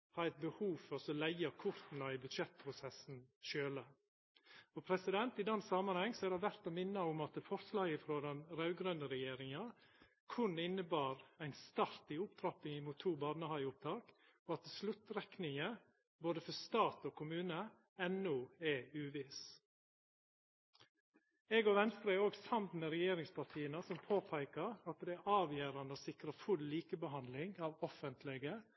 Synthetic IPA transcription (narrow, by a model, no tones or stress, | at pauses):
hɑːɾæɪt̪̚bəhuːʋfɔɾsɔlæɪɑkʰʊɾt̪n̩ɑɪbʉd̪ʃɛt̪̚pʰɾʊsɛsn̩ʃøːlə | ɔpʰɾɛsɪd̪ɛnt̪ɪd̪ɛnːsɑmɑnhɑŋːsɔæɾdɛʋæɾt̪ɔmɪnːəʊmɑt̪əfɔɾslɑːɡəfɾoːd̪ɛnɾɑʉɡɾœnd̪əɾɛjeːɾɪŋɑ | kʰʊnɪnːəbɑːɾæɪnst̪ɑɾt̪ɪʊpt̪ʰɾɑpɪŋmuːt̪ʰːuːbɑd̪nəhɑɪʊp̚t̪ʰɑːk | ɔɑt̪ːɛslʉt̪ɾɛknɪŋə | boːd̪əfɔst̪ɑːt̪oːkʰʊmʉːnə | ɛnːuɛʉːʋɪs | ɛɡoʋɛnst̪ɾɛoːɡsɑmt̪mɛɾɛjeːɾɪŋspʰɑʈʰiːənəsɔmpʰoːpʰæɪkəɾɑt̪̚d̪ɛæʔɑːʋjeːɾɑnd̪əosɪkɾəfʉlːiːkəbəɦɑnd̪lɪŋɑːʋɔfənt̪ʰlɛɡə